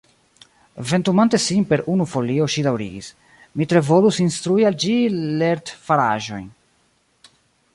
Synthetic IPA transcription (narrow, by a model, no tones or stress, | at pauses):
ve̞ntumante̞sinpe̞ɾunufo̞lio̞ʃidawɾḭɡis | mitɾe̞vo̞lusinst̪ɾuiald͡ʒile̞ɾt̪faɾa̰ʒo̞̰jn